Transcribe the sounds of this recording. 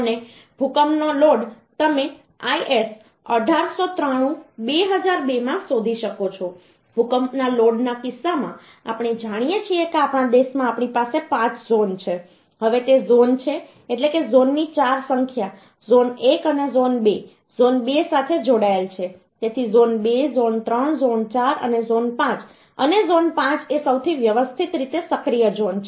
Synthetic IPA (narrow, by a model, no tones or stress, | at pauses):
əne | bʱukəmnoloɽ | t̪əmẽ | aiʔes | ə̰ɖʱaɾsot̪ɾəɽ̃ũbeɦəd͡ʒaɾbemãsod̪ʱiʃəkot͡ʃʰo | bʱukəmnaloɖnakɪsːamã̰ | a̰pɽ̃ed͡ʒaɽ̃ijet͡ʃʰiekeapɳ̃ad̪eʃmãapɳ̃ipasepãt͡ʃzont͡ʃʰe | ɦəʋet̪ezont͡ʃʰe | eʈlekezonːit͡ʃaɾsəŋkʰja | zonekənezonbe | zonbesat̪ʰed͡ʒoɽaelt͡ʃʰe | t̪et̪ʰizonbezont̪ɾəɳzont͡ʃaɾə̰nezonpãt͡ʃ | ə̰nezonpãt͡ʃesəwt̪ʰiʋjəʋəst̪ʰit̪ɾit̪esəkɾijəd͡ʒont͡ʃʰ